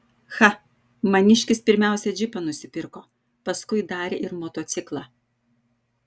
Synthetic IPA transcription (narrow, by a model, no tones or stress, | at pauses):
xɐ | mɐnʲɪʃʲkʲɪspʲɪɾʲmʲæˑʊsʲɛd͡ʒʲɪpɐnʊsʲɪpʲɪɾkoː | pɐskʊɪd̪ɑːɾʲeʔɪɾmoːt̪oːt̪sʲɪklˠɑː